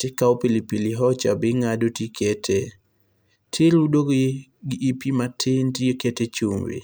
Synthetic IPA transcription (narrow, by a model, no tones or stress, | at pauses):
tekaopilipiliɦɔt͡ʃa̰bɪŋadotikʰetʰe | tʰɪludoɡ | ɡɪʔːpimatʰɪntieketet͡ʃuŋwḭ